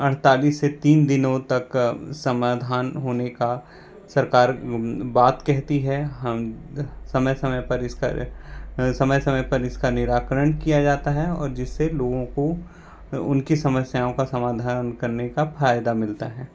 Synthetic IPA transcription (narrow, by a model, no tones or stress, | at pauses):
ɐɽ̤t̪aːliːsːet̪iːnd̪ɪnõt̪ɐksɐmaːd̪ʱaːnɦoːneka | sɐɾkaːɾbaːt̪kɛɦt̪iɦɛɦɐmsɐməjsɐməjpɐɾɪska̰ | sɐməjsɐməjpɐɾɪskanɪɾaːkɾəɽ̃kijad͡ʒaːt̪aɦɛɔ̰ːɾd͡ʒɪsːeloːɡõko | ʊ̰nkisɐməsjaːõkasɐmaːd̪ʱaːɾənkɐɾnekafʰaːjd̪amɪlt̪aɦɛː